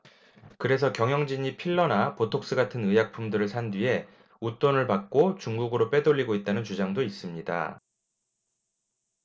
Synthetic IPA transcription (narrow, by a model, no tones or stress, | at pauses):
kɯɾe̞s̬ʰʌkjʌŋjʌŋd͡ʑiɲipʰiɭːʌnapotʰok̚s͈ɯɡatʰɯnɯjak̚pʰumdɯɾɯɭsʰandɥie̞ | ut͈onɯɭpak̚k͈ot͡ɕuŋɡuɡɯɾop͈e̞doʎːiɡoit̚t͈anɯnt͡ɕud͡ʑaŋdois͈ɯmɲida̰